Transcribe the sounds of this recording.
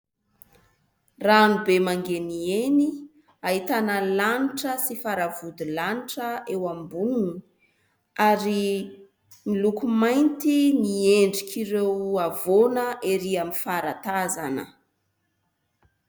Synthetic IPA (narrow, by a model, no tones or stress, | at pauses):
ranubemaŋɡenieni | aɦit̪anəlaniʈ͡ʂəsifaɾavud̪ilaniʈ͡ʂəewambununi | aɾi | milukumajnt̪inieɳɖ͡ʐikʲiɾewavonəʔeɾiamifaɾat̪aza̰nə̰